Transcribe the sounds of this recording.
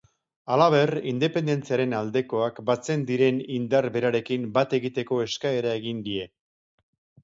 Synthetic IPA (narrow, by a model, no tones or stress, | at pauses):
alaβ̞e̞rind̪e̞pe̞nd̪e̞nt͡siaɾe̞nald̪e̞ko̞akbat͡se̞nd̪iɾe̞nind̪aɾbe̞ɾaɾe̞kimbat̪e̞ɣit̪e̞ko̞e̞skae̞ɾae̞ɣind̪ie̞